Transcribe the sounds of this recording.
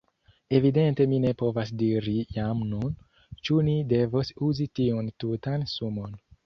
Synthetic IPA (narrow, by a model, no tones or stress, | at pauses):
e̞vide̞nte̞mine̞po̞vasdiɾijamnun | t͡ʃunide̞vosuzitiuntutansumo̞n